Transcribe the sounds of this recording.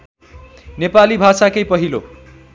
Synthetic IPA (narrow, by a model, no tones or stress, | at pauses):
nepalibʱasakʌjpʌɦilo